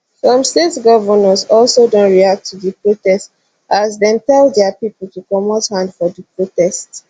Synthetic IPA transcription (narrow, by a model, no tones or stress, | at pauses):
sɔ̃mstetsɡɔvənəsɔlsodõnɹiak̚tʰːudəpɹotɛst | azdɛ̃ntɛldɛapipl̩ˠtukɔmɔthãndfɔdəpɹotɛst